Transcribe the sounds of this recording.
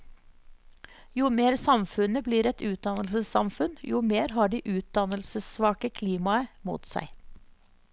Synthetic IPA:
juːmeːɾsɑmfʉnəbliːɾɛt̪ʉːt̪̚d̪ɑnəlsəsɑmfʉnjuːmeːɾɦɑːɖiːʔʉːt̪̚d̪ɑnəlsəsʋɑːkəkʰliːmɑəmṵːt̪sæ̰ɪ

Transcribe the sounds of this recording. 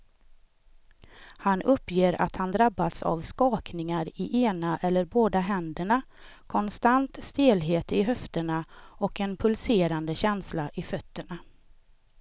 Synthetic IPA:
hanʔɵpːjeːɾa̰t̪hand̪ɾabːat̪sa̰vskɑːknɪŋaɾɪʔeːnaʔɛlːəɾboːd̪aɦɛnd̪əɳa | kʰɔnst̪ant̪st̪eːlɦeːt̪ɪɦœft̪əɳaɔkɛnpʰɵlseːɾand̪əɕɛnslaʔɪfœt̪ːəɳa

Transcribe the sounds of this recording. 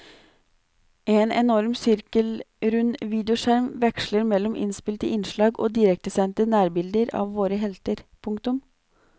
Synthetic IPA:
eːnɛ̰nɔɾmsʏɾkəlɾʉnʋiːd̪ɛʊʃæɾmʋɛkʂləɾmɛlːɔmʔɪ̰nspɪlt̪əʔɪnʃɭɑːɡo̰ːd̪ɪɾɛk̚t̪əsɛnt̪ənæːɾbɪld̪əɾɑ̰ːʋːoːɾəɦɛlt̪əɾpʰʊŋkt̪ʊm

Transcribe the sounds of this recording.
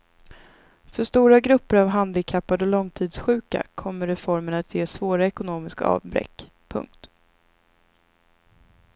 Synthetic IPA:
fœʂt̪uːɾaɡɾɵpːəɾavɦand̪ɪkʰapːad̪ɔlɔŋt̪ʰiːd̪sɧʉ̟ːka̰kʰɔmːəɾɛfɔɾmənat̪ʰjeːsvoːɾaɛkʊnoːmɪskaɑ̰ːvbɾɛ̰kː | pʰɵ̰ŋk̚t̪

